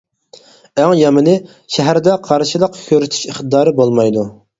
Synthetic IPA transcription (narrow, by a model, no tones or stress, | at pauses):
æŋjɑmɨnɨ | ʃɛɦæɾd̪ɛqʰɑɾʃɨlˠəqkʲʰøɾyt̪ʰy̥ʃiχt̪ɨd̪ɑːɾɨbolˠmɑjd̪u